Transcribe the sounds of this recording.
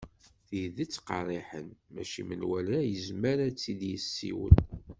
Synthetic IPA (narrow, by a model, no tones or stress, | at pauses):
θiðit͡sːqɑ̰rˤiħənmæ̰ʃimənwælajəzməɾæt͡sːid̪jəsːḭwə̰n